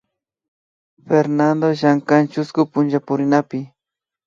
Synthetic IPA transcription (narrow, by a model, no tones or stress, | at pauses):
feɾnand̪oʒaŋkant͡ʃʊskʊpʊnʒapʊɾɪnapɪ